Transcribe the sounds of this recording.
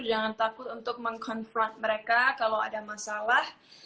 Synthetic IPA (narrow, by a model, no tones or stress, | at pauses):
d͡ʒaŋant̪akʊt̪unt̪ʊk̚məŋkʰɔnfɾɔnt̪̚məɾekakalawadamasalah